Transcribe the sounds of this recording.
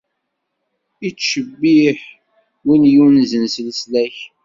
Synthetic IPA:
it͡sːʃəbːiħ | winjunzənslslæç

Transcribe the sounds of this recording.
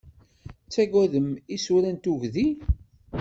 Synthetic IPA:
t͡sːæɡæðəmisuɾænt̪uʝði

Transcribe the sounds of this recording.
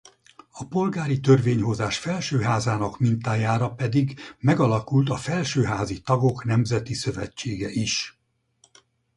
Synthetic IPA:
ɒpo̞lɡaːɾit̪ø̞rveːɲɦo̞zaːʃfɛlʃøːɦaːzaːnɒkmint̪aːjaːɾɒpɛd̪iɡmɛɡɒlɒkult̪ɒfɛlʃøːɦaːzit̪ɒɡo̞knɛmzɛt̪isø̞vɛt͡ʃːeːɡɛʔiʃ

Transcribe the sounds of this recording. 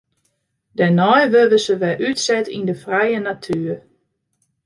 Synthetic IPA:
dɛnɔjʋølʋəsəʋɛʔytsɛtindəfrɛjənatʰyːər

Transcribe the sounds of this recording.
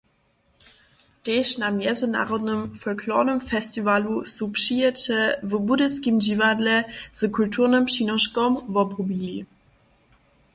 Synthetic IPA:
d̥eːʃnamjɛzəna̰ʁɔdnəmfɔlkʰlɔ̰ːnəmfɛstivalusupʃiətəvəbudəskimd͡ʑivadlɛz̥əkʰultʰuːʁnəmʃinɔʃkɔmvɔbʁobili

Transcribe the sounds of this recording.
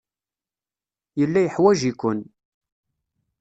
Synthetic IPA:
jəlːæjəħwæʒikʷʊn

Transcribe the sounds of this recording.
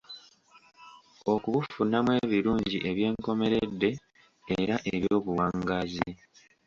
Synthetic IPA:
o̞kuβufunːamwe̞ːβiɾuːɲɟiʔe̞βje̞ːŋko̞me̞ɾedːe̞ː | ɾaʔeβjo̞ːβuwaŋɡazi

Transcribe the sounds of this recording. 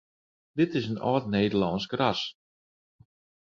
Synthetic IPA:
dɪtɪsənɔ̰ːtneːdəlɔnsɡras

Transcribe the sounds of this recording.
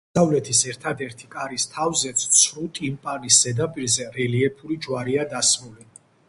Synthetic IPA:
savlɛt̪ʰisɛɾt̪ʰad̪ɛɾt̪ʰi̥kʼaɾist̪ʰavzɛt̪sʰt̪sʰɾut̪ʼimpʼanisːɛd̪apʼiɾzɛɾɛliɛpʰuɾid͡ʒwaɾiad̪asɾuli

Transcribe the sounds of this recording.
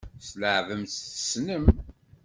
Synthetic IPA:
sləʕvəmtθəsnəm

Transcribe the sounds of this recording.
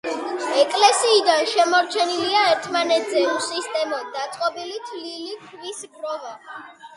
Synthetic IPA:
ɛkʼlɛsiːd̪anʃɛmɔɾt͡ʃʰɛniliaɛɾt̪ʰmanɛt̪ʰzɛusist̪ʼɛmɔd̪at̪sʼqʼɔbilit̪ʰlilik̪ʰvisbɾɔvɔ

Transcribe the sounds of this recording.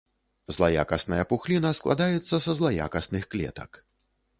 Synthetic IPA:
zlˠaja̰kɐsnɐjɐpuxlʲinɐsklˠa̰d̪ajɛt̪sːɐsɐzlˠaja̰kɐsnɨxklʲɛ̰t̪ɐk

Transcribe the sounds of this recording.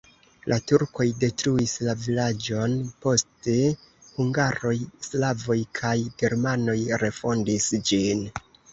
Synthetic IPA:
lʔatuɾko̞jde̞tɾuislavilad͡ʒo̞npo̞ste̞ | huŋɡaɾo̞jslavo̞jkʰajɡ̥e̞ɾmano̞jɾe̞fo̞ndisd͡ʒin

